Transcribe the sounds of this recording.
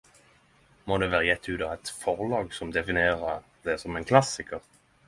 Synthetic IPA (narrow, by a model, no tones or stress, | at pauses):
moːd̪eːʋæːʁəjɛt̪ʰːʉːd̪ɑːʋɛt̪fɔʁlɑːɡsɔmd̪ɛfɪneːʁəd̪ɛsɔmɛɪnkʰlɑsɪkəʁ